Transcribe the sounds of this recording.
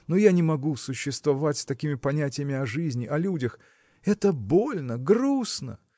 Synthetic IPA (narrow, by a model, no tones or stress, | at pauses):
nojanʲɪmɐɡusʊɕːɪst̪vɐvatʲsʲt̪ɐkʲimʲɪpɐnʲætʲɪjəmʲɪɐʐɨzʲnʲɪʔɐlʲudʲəx | ɛt̪əbolʲnəɡɾusnə̰